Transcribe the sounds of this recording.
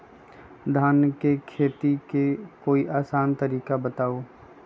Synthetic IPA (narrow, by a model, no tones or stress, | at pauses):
d̪ʱaːnkekʰeːt̪ikekoːiʔaːsaːnt̪əɾiːkabət̪aːoː